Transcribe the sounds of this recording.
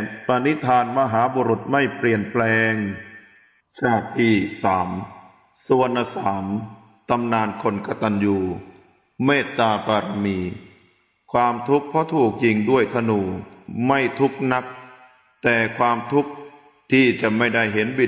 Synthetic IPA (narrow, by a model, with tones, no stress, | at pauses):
p̪a˧ni˦˥t̪ʰaː˧nma˧ɦaː˩˦boː˧ɾu˨˩t̪̚ma˥˩jpli˨˩ənplɛː˧ŋ | t͡ɕʰaː˧˩t̪ʰiː˥˩saː˩˦m | su˧ənːa˧saː˩˦m | t̪a˧mnaː˧nkʰo˧nka˧t̪a˧njuː˧ | meː˥˩t̪ːaː˧paː˧ɾa˧miː˧ | kʰwaː˧mt̪ʰu˦˥k̚pʰɔ˦˥t̪ʰuː˨˩k̚ji˧ŋdu˥˩əjt̪ʰa˧nuː˧˩ma˥˩jt̪ʰu˦˥k̚na˦˥k̚ | t̪ɛː˨˩kʰwaː˧mt̪ʰu˦˥k̚ | t̪ʰiː˥˩t͡ɕa˨˩ma˥˩jda˥˩jɦe˩˦nbi˨˩